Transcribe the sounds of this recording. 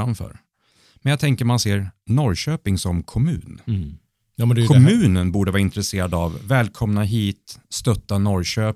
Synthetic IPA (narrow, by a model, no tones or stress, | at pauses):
amfœ̰ːɾ | mɛnjat̪ʰɛŋkəɾmanseːɾnɔɾɕøːpɪŋsɔmkʰɔmʉ̟̰ːnː | dkʰɔmmʉ̟ːnənbuːɖəvɑːɾɪnt̪ɾɛseːɾad̪avːɛːlkʰɔmnaɦiːt̪st̪œt̪ːanɔɾɕøː